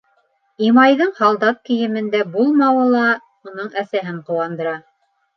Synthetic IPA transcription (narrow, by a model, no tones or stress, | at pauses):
imɑjðɤɴhɑlˠd̪ɑt̪̚kɘ̆jɘ̆mɘ̆nd̪æbulˠmɑwɤlˠɑ | unɤɴæsæɦɘɴqŭwɑnd̪ɤ̆ɾɑ